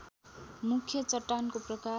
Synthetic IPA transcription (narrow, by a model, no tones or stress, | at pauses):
mukʰjʌt͡sʌʈːankoprʌka